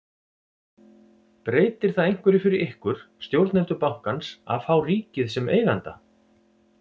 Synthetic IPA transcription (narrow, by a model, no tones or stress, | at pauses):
pɾeːjt̪ɪɾ̥θaðejŋ̥kvɛɾɪfɪɾɪɾɪhkvʏɾ̥st̪jowɾt̪nɛnt̪ʏpawŋ̥kansa̰ðfawriːcɪðsɛmḛːjɣant̪a